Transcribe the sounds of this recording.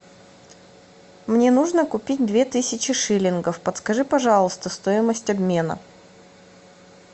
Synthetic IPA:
mnʲe̞nuʐnəkʊpʲit̚ʲd̪vʲe̞t̪ɨsʲɪt͡ɕɪʂɨlʲɪnɡəfpət̪skɐʐɨpɐʐɑlˠəst̪əst̪ojɪməsʲtʲɐbmʲe̞nə̰

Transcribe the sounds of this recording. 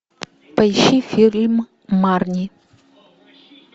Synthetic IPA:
pəjʃifilmː | aɾni

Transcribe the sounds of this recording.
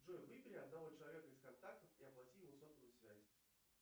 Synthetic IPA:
ʐojvɨpʲɪɾʲɪɐd̪nɐvo̞t͡ɕɪlˠɐvʲe̞kəɪskɐnt̪ak̚t̪əfiɐplˠɐtʲijɪvosoft̪vʊsvʲæzʲ

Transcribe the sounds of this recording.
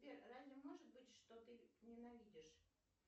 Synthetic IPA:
vʲerranʲəmoʐɨt̪̚bɨtʲʂt̪ot̪ɨnʲɪnɐvʲidʲɪʂ

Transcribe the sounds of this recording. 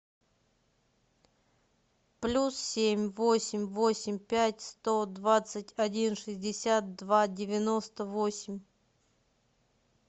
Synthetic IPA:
plʲussʲemʲvosʲɪmʲvosʲɪmʲpʲætʲst̪od̪vat̪sɨtʲɐdʲinʂɨzʲdʲɪsʲat̪̚d̪vadʲɪvʲɪno̞st̪əvosʲɪmʲ

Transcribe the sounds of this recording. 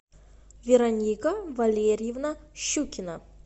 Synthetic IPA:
vʲeɾɐnʲikəvɐlʲeɾʲɪjɪvnɐɕukʲɪnə

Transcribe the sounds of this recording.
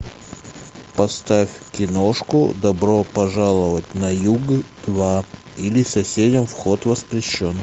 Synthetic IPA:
pɐst̪afʲkʲɪnoʂkʊ̰d̪ɐbɾopɐʐalˠəvətʲnɐjuɡd̪̥va | ilʲɪsɐsʲedʲɪmfxot̪vəspɾʲɪɕːon

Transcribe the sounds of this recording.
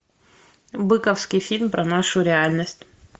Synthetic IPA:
bɨkəfskʲɪjfʲilʲmpɾɐnaʂʊɾʲɪalʲnəsʲtʲ

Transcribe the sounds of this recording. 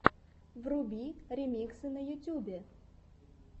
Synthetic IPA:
vrubʲiɾʲɪmʲiksɨnɐjʊtʲubʲe

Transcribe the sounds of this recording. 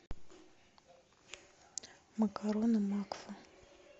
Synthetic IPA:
makaɾonamakfa

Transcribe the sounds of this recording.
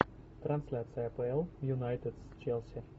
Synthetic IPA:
t̪ɾɐnsʲlʲat̪sɨjɐpɛɛlˠjʊnajt̪ɪd̪st͡ʃɛlˠsʲɪ

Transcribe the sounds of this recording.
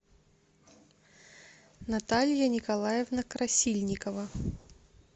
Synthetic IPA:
nɐt̪alʲjɐnʲɪkɐlˠajɛvnɐkɾɐsʲilʲnʲɪkəvə

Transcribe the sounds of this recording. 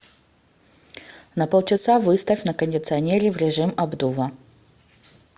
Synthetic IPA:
nɐpolˠt͡ɕɪsavɨst̪əfʲnəkənʲdʲɪt̪sɨɐnʲeɾʲɪvɾʲɪʐɨmɐbd̪uvə

